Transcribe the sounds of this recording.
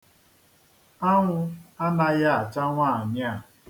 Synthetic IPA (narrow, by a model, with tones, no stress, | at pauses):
a˦ŋʷʊ˦a˦na˦ja˦a˨t͡ʃa˦ŋʷaː˦˨ɲ˦a˦˨